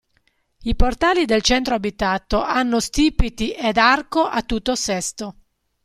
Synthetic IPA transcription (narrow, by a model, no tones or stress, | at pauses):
iport̪aːlid̪elt͡ʃɛnt̪ɾoabit̪at̪oʔanːost̪iːpit̪iʔed̪arkoʔat̪ːut̪ːosɛst̪o